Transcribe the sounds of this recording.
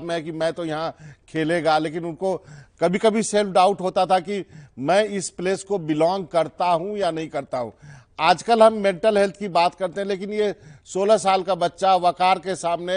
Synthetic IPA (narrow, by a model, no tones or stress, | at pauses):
bmẽɦɛkimɛ̃t̪ojɐɦãkʰeːleɡaleːkɪnʊnkokɐbʱikɐbʱiselfɖaːʊʈɦoːt̪at̪ʰakimɛ̃ːɪspleːskobɪlɔ̃ːŋɡ̚kɐɾt̪aɦũjanɐɦĩkɐɾt̪aɦṵ̃ːaːd͡ʒkəlɦɐmːɛ̃ːɳʈəlɦɛlt̪ʰkibaːt̪kɐɾt̪ẽɦɛ̃leːkɪnjesoːlasaːlkabɐtːʃaʋɐkaːɾkesaːmne